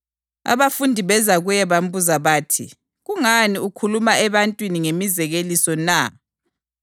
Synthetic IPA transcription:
a̰βafundʱiβɛzaɣujɛβam̩buzaβaːtʰḭ | ɣuŋaniukʰulumaʔɛβantʼwiniŋemizɛɣelisɔna

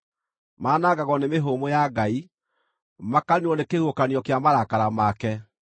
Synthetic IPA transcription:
maːnaɡaɣɔnemeɦomojaɡai | makaniɔnekehokanjɔkeamaɾakaɾamakɛ

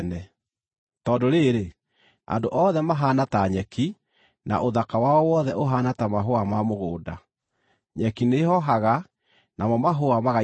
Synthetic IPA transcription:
nɛ | tɔːdoɾeːɾe | a̰ndoʔɔðɛmaɦaːnataɲɛki | na̰ʔoðakawaɔwɔðɛʔoɦaːnatamaɦoamamoɣoːda | ɲɛkinehɔɦaɣa | namɔmaɦoamaɣa

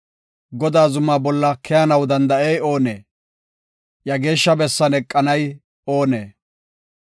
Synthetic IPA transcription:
ɡɔd̪aːzʊmːaːbɔlːɐkʰɛjɐnɐwd̪ɐnd̪ɐʔejo̞ːnḛː | jɐɡe̞ːʃːɐbɛsːɐnɛkʼːɐnɐj | o̞ːneː

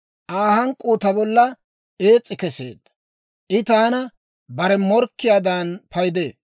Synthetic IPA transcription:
ʔaːhɐŋkʼːuːt̪ɐbɔlːɐ | e̞ːt͡sʼːɪkɛsḛːd̪ːɐ̥ | ʔɪt̪aːnɐ | bɐɾɛmɔɾkːɪjaːd̪anpɐjd̪eː

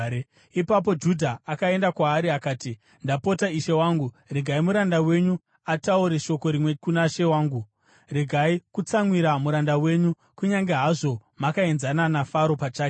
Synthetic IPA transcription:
ipap̬o̞d͡ʒudʱaːkae̞ndakwaːɾiakaːti | ndapo̞taiʃe̞waːŋɡu | reɡʱaimuɾandawe̞ɲu | atauɾeʃo̞ko̞ɾimwekunaʃe̞waːŋɡu | reɡʱaikut͡saŋwiɾamuɾandawe̞ːɲu | kuɲaŋɡeɦaʐo̞makaenzananafaɾo̞pat͡ʃaːke

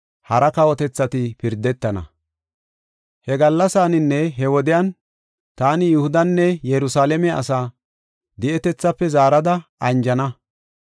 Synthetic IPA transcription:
hɐɾɐkɐwɔt̪ɛt͡sːɐt̪ɪpɪɾd̪ɛt̪ːɐnɐ̰ | hɛɡɐlːɐsaːnɪnːɛɦɛwɔd̪ɪjan | t̪aːnɪjʊhʊd̪ɐnːɛjɛɾʊsaːlɛmɛɐ̰saː | d̪ɪʔɛt̪ɛt͡sːɐpːɛzaːɾɐd̪ɐɐnd͡ʒɐnɐ

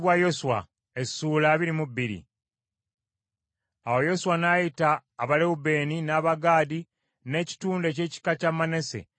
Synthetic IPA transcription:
βwajo̞suwa̰ | e̞suːlaːβiɾimubːiɾḭ | awo̞jo̞suwanajitaːβaleube̞ːninaːβaɡaːdi | ne̞ːci̥tuːnde̞ce̞ːci̥kacamane̞se̞̰

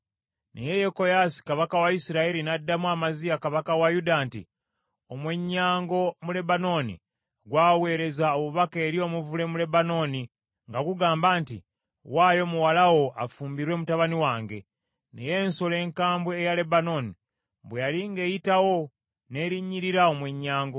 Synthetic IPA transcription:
nḛjejeko̞jasi̥kaβakawaisiɾaeɾinadːamwamazijakaβakawajudantḭ | omwe̞ɲːaːŋɡo̞mule̞bano̞nḭ | ɡwaːwe̞ːɾe̞zaoβuβake̞ːɾio̞muvule̞mule̞bano̞ːni | ŋɡaɡuɡaːmbaːntḭ | waːjo̞muwalawo̞a̰fuːmbiɾwe̞ːmutaβaniwaːŋɡe̞ | nḛje̞ːnso̞le̞ːŋkaːmbweːjale̞bano̞ːni | bwejaliŋɡe̞ːjitawo̞ | ne̞ːɾiɲːiɾiɾao̞mwe̞ɲːaːŋɡo̞

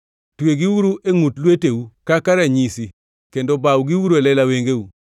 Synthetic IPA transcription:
tweɡiwuɾueŋutlwetewukakaɾaɲisi | kendobawɡiwuɾoelɛlaweŋɡewu

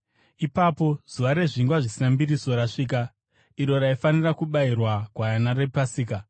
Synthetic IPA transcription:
ipapo̞z̥uʋaɾe̞ʐiŋɡwaʐisinambiriso̞ɾaʂiːka | iɾo̞ɾaifanirakuɓairwakwajanarepasiːka

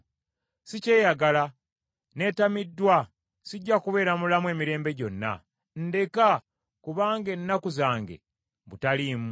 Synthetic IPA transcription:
sice̞ːjaɡala | ne̞ːtamidːwa | siɟːakuβe̞ːɾamulamwe̞ːmiɾe̞ːmbe̞ɟo̞nːa̰ | nde̞ka | kuβaːŋɡe̞nːakuzaːŋɡe̞̰ | butalim

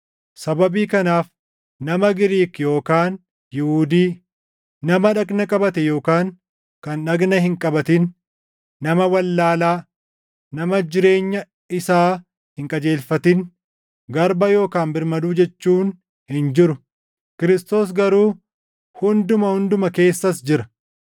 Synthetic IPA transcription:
sɐbɐbiːkɐnaːf | nɐmɐɡɪɾiːkjo̞ːkaːn | jɪhuːd̪iː | nɐmɐᶑɐɡnɐkʼɐbɐt̪ɛjo̞ːkaːŋ | kɐnᶑɐɡnɐhɪŋkʼɐbɐt̪ɪn | nɐmɐwɐlːaːlaː | nɐmɐd͡ʒɪɾe̞ːɲːɐ | ɪsaː | hɪŋkʼɐd͡ʒe̞ːlfɐt̪ɪn | ɡɐɾbɐjo̞ːkaːnbɪɾmɐd̪uːd͡ʒɛt͡ʃːuːn | hɪnd͡ʒɪɾʊ | kɪɾɪst̪o̞ːs̬ɡɐɾuː | hʊnd̪ʊmɐhʊnd̪ʊmɐke̞ːsːɐsd͡ʒɪɾɐ̥

